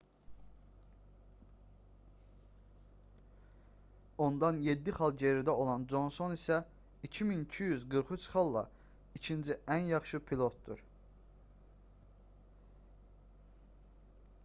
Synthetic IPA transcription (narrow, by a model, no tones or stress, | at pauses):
o̞nd̪ɑnjed̪ːiχɑlˠɟeɾid̪æo̞lˠɑnd͡ʒo̞nso̞nisæ | icʰiminicʰijyzɡɯɾχut͡ʃχɑlˠːɑ̰ | icʰind͡ʒiænjɑχʃɯpʰilˠo̞t̪̚d̪uɾ